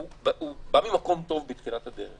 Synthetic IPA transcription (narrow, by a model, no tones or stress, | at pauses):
bubamimako̞mt̪o̞vbet̪χilat̪had̪eʁeχ